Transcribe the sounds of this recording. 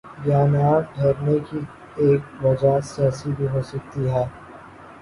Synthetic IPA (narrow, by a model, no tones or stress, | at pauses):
jaːnaːɖʱeːɾneki | eːk̚ʋɐd͡ʒasɛːsibʱiɦoːsɐk̚t̪iɦɛː